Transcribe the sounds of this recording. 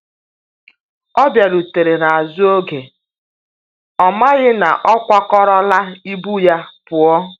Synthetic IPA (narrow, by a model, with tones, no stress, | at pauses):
ɔ˦bja˨ɾu˨te˨ɾe˨na˨a˨zʊ˦o˦ɡe˨ | ɔ˨ma˦ɣɪ˦na̰˨ʔɔ˦kʷa˦kɔ˦ɾɔ˦la˦i˦bu˦ja˦pʊ˨ɔ˦